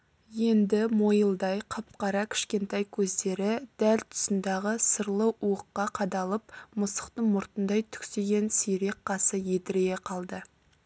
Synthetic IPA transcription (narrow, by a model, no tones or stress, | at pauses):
je̞nd̪ɪmo̞jəlˠd̪ɑjqʰɑp̚qɑɾɑkʲʰɪ̥ʃkʲe̞nt̪ɑjkʲʰɵzd̪e̞ɾɪd̪̥ælt̪ʰʊ̥sənd̪ɑʁəsəɾlˠəʔuəqːɑqʰɑd̪ɑlˠəp̚mʊsə̥qt̪əɴmʊɾt̪ənd̪ɑjt̪ʰʏ̥kʲseɡʲe̞nsijɾe̞k̚qɑsəjet̪ɪɾeeqʰɑlˠd̪ə